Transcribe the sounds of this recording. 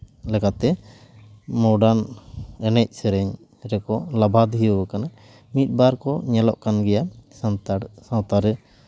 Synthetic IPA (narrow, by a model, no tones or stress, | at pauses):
lɛkat̪ɛ | mɔɖanɛnɛc̚sɛɾɛɲ | ɾɛkɔlabʱad̪iəwəkana | mit̪̚ˀbaɾkɔɲɛlɔ̰ʔkanɡɛjasant̪aɽsãt̪aɾ